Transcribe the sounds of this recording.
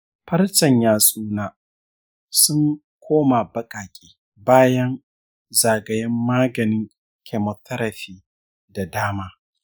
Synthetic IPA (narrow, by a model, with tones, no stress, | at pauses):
ɸɐ˦rt͡ʃɐ˨ɲjaː˨sʼuː˦naː˦ | sʊ˦ŋ | kʷoː˦ma˨bɐ˦kʼaː˨kʲʼi̥ː˦ | baː˦jɐ˦n | zaː˨ɡɐ˨jɛ˦mːaː˦ɡɐ˨nɪ˦ŋ | kʲʰɛ˨mɔ˨tʰːɐ˦ɾɐ˨ɸiː˦ | da˨daː˦maː˦